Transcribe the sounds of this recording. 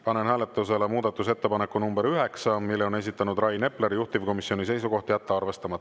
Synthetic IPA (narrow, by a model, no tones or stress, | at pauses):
pɑne̞nɦhæːle̞t̪ːˑuse̞lemuːd̪̥ɑt̪ːˑuse̞t̪ːepɑnekːˑunumbe̞ɾyɦe̞ksɑmilːeone̞s̬ʲit̪ːˑɑnud̪rɑjne̞pːleɾjuht̪ivko̞misio̞nis̬e̞jsuɡo̞ht̪ijæt̪ːeɑrve̞st̪ɑmɑt̪ːˑ